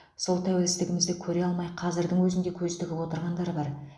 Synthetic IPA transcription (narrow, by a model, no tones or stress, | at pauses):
so̞lˠt̪ʰæwelɪst̪ɪɡʲɪmɪzd̪ekʲʰɵɾe̞ɑlˠmɑjqʰɑzɪɾd̪ɪŋwɵzɪnd̪e̞kʲʰɵzt̪ɪkʲɪpwo̞t̪əɾʁɑnd̪ɑɾbɑɾ